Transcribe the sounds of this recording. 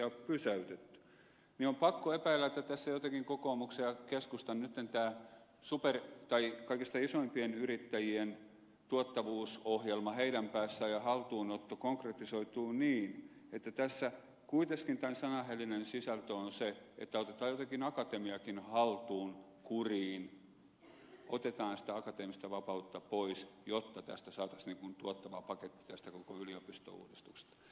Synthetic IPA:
ɑppysæyt̪et̪ːy̥ | niompɑkːoepæilːˑæet̪ːæt̪æsːæjot̪ɑkiŋkokoːmuksejɑkeskust̪ɑnnyt̪ːent̪æː | supert̪ɑikɑikist̪ɑisoimpienyrit̪ːæjien | t̪uot̪ːɑʋuːsohjelmɑheiɾæmpæːsːæjɑhɑlt̪uːnot̪ːokoŋkret̪isoit̪uːniːnet̪ːæt̪æsːæ | kuit̪eskint̪ænsɑnɑhelinensisɑlt̪øonseḛt̪ːæot̪et̪ɑːjot̪ɑkinɑkɑt̪emiɑkinhɑlt̪uːn | kuriːn | ot̪et̪ɑːnsi̥t̪æɑkɑt̪eːmist̪æʋɑpɑut̪ːɑpoisjot̪ːɑt̪æ̰st̪æsɑːt̪ɑsniŋkunt̪uot̪ːɑʋɑpɑket̪ːi̥t̪æst̪ækokoyliopist̪o̰ṵːdist̪ukse̥st̪ɑ̥

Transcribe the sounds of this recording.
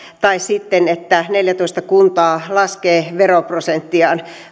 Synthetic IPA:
t̪ɑissit̪ːenet̪ːæneljæt̪oist̪ɑkunt̪ɑːlɑskeːʋeroprosent̪ːiɑːn

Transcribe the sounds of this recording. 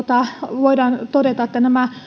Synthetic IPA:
t̪ɑʋoidɑːnt̪odet̪ɑet̪ːænæmæ

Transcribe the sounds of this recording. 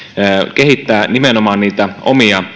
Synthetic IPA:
kehit̪ːæːnimenomɑːnniːt̪æʔo̰miɑ

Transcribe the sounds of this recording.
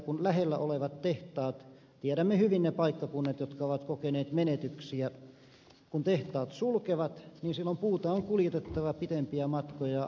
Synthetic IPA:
kunlæhelːæʔoleʋɑt̪teht̪ɑːt̪ | t̪iæɾæmːehyʋinnepɑikːɑkunːet̪jot̪kɑoʋɑt̪kokeneːt̪menet̪yksiæ | kunt̪eht̪ɑːt̪sulkeʋɑt̪niːnsilːompuːt̪ɑoŋkuljet̪et̪ːɑʋɑpit̪empiæmɑt̪kojɑ

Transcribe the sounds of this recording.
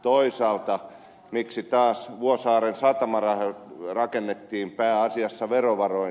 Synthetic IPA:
t̪oisɑːlt̪ɑ | miksit̪ɑːsʋuosɑːrensɑt̪ɑmɑrɑhrɑkenːet̪ːiːmpæːɑsiɑsːɑʋeroʋɑroi

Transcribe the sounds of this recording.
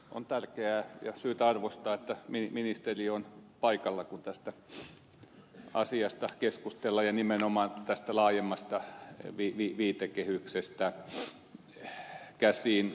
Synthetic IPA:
o̰nt̪ærkeæːjɑ̰syːt̪ɑrʋost̪ɑːet̪ːæmiminist̪erionpɑikɑlːɑkunt̪æst̪æ | ɑ̰siɑst̪ɑkeskust̪elːɑjɑnimenomɑːnt̪æst̪ælɑːjemːɑst̪ɑʋiːʋiːʋiːt̪ekehyksest̪æ | kæsiːn

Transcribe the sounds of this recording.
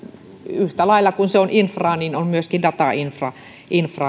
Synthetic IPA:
yht̪ælɑilːɑkunseonʔinfrɑːninommyøskindɑt̪ɑinfrɑ | ʔinfrɑː

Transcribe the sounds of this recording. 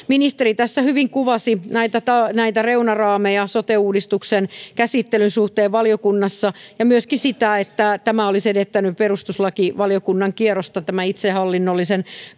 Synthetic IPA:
minist̪eɾit̪æsːæhyʋiŋkuʋɑsinæit̪æt̪ɑnæit̪æreunɑrɑːmejɑsot̪euːdist̪uksenkæsit̪ːelynsuht̪eːʋʋɑljokunːɑsːɑjɑmyøskisit̪æet̪ːæt̪æmæolisedet̪ːænyperust̪uslɑkiʋɑlijokunːɑŋkierost̪ɑt̪æmæit̪sehɑlːinːolːisen

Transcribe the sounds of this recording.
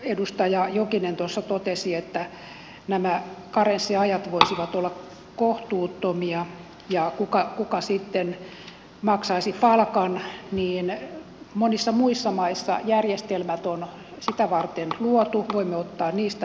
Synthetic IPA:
edust̪ɑjɑjokinent̪uosːɑt̪ot̪esiet̪ːæ | næmækɑrensːiɑjɑt̪ʋoisiʋɑt̪olːɑk | koht̪uːt̪ːomiɑ | jɑkukɑkukɑsit̪ːen | mɑksɑisipɑlkɑnniːn | monisːɑmuisːɑmɑisːɑ̰jærjest̪elmæt̪on | sit̪æʋɑrt̪enluot̪uʋoimːeot̪ːɑːnniːst̪æ

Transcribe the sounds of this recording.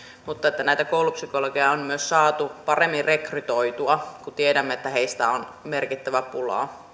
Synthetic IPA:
mut̪ːɑet̪ːænæˑit̪ækoulupsykoloɡejɑommyøssɑːt̪upɑremːirrekryt̪oit̪uɑkut̪iedæmːeet̪ːæheist̪æ̰onmerkit̪ːæʋæpulɑ̰

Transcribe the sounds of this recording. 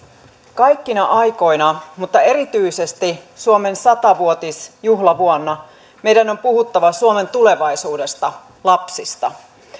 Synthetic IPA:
kɑjkːinɑʔɑjko̞jnɑmut̪ːɑe̞ɾit̪yise̞st̪isuome̞nsɑt̪ɑʋuot̪isjuɦlɑʋuonːɑ | me̞jdæno̞mpuhut̪ːɑʋɑsuome̞nt̪ule̞ʋɑjsuːde̞st̪ɑ | lɑpsist̪ɑ

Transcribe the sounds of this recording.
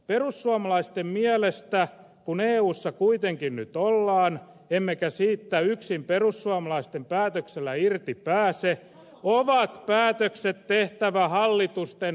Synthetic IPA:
perusːuɑmɑlɑist̪emmiælest̪æ | kuneːuːsːɑkuit̪eŋkinnyt̪olːɑːn | emːekæsiːt̪ːæyksimperusːuɑmɑlɑist̪empæːt̪økselːˑæirt̪ipæːse | oʋɑt̪pæːt̪økset̪teht̪æʋæhɑlːit̪ust̪en

